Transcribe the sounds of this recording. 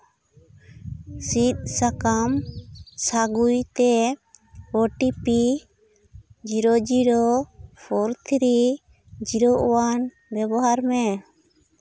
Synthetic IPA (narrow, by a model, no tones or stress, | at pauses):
sit̪̚sakamsaɡujt̪ɛ | ɔʈipi | d͡ʒiɾɔd͡ʒiɽɔpʰɔɾt̪ʰɾi | d͡ʒiɾɔʔɔwan | bɛbɔɦaɾmɛ